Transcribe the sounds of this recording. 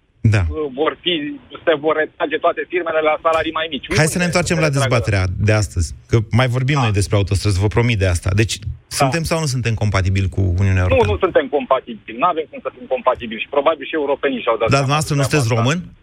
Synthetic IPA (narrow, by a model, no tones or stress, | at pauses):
d̪avo̞rfise̞vo̞rːe̞t̪ɾad͡ʒe̞t̪oat̪e̞firme̞lelasalaɾijmajmit͡ʃʲajd̪sənent̪wart͡ʃe̞mlad̪e̞zbat̪e̞ɾead̪e̞ast̪əzʲkəmajvo̞rbimno̞jd̪e̞spɾeaut̪o̞st̪ɾəzvəpɾo̞mit̪̚d̪east̪a̰d̪e̞t͡ʃʲsunt̪e̞msawnus̬unt̪e̞mko̞mpat̪ibilʲkṵṵniuneaeuonṵnusunt̪e̞mko̞mpat̪ibilʲnuavemkumsəfimko̞mpat̪ibilʃi̥pɾo̞babilʃie̞uɾo̞peniʃawd̪at̪d̪ad̪umavast̪ɾənusɨnt̪es̬rɾo̞mɨn